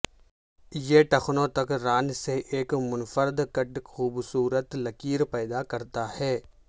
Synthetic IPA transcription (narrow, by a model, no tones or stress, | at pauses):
jeʈɐxnõt̪ɐkɾaːnseʔeːkmʊnfəɾd̪kɐʈxuːbsuːɾət̪lɐkiːɾpɛːd̪akɐɾt̪ahɛː